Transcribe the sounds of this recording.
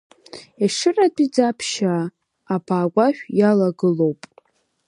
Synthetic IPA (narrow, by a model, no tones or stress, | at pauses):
iʂɨratʼid͡zapʰʃaː | baːɡʷaʃᶣjalaɡɨlowpʼ